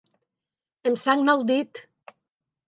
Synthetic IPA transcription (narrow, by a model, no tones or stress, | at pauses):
emsaŋmalˠd̪it̪